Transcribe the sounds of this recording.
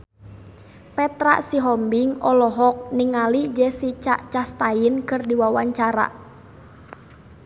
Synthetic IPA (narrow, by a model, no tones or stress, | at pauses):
pɛt̪ɾa̰ʔsiɦɔmbɪŋɔlɔɦɔk̚niŋalid͡ʒɛsit͡ʃa̰ʔt͡ʃast̪aɪnkɨrdiwawaɲt͡ʃaɾa̰